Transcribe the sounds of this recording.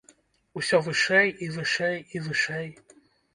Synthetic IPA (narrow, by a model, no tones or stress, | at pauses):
usʲɔvɨʂɛjivɨʂɛjivɨʂɛj